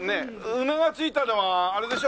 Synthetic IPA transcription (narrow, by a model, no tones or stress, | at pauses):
neɯnaɡat͡sɨit̪ad̪emaːɾed̪e̞ɕo